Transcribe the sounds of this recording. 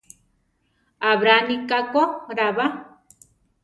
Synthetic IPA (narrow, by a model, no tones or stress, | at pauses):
aβɾanikakoɾaβa